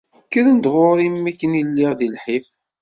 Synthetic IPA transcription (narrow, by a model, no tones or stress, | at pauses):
kːəðənd̪ʁʊɾimːikːənilːɪʁðilħif